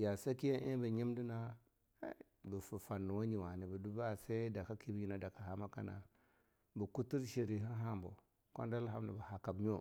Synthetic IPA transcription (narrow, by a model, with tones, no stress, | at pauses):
ja˨se˦ki˦ja˦ʔe˦bə˨ɲi˦mdi˦na̰˦ | bə˨fu˨fa˨nːu˨wo˦ɲi˨wa˨ni˨bə˨du˦ba˦˨se˦da˨ka˦ki˦bi˦ɲi˨na˨da˨ka˨ha˨ma˦ka̰˦na̰˨ | bə˨ku˦ti˦ɾʃi˨ɾi˨ɦi˦ɦa˦mbo̰˨ | ko̰˦nda˦lɦa˦m˦na˨bə˨ha˨ka˨bɲ˦o˦